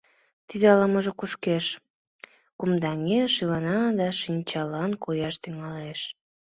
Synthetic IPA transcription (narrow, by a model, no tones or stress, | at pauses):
t̪id̪eɑləməʒokuʃkeʃ | kumd̪ɑŋeʃilɑnɑd̪ɑʃinʲt͡ɕɑlɑnkojɑʃt̪yŋɑleʃ